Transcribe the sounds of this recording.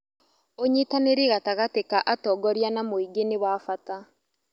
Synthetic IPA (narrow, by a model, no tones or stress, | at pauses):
oɲitaneɾiɣataɣatekaʔatɔːɡɔɾjanamoiɡenewaːfata